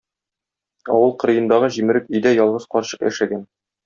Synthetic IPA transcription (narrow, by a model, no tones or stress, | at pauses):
ɒ̰wɤlˠqɤ̆ɾɤ̆jɤ̆nd̪ɑʁɤʑimɘ̆ɾɘkɵ̆jd̪æjɒlˠʁɤzqɒɾɕɤqjæ̰ʃæɡæn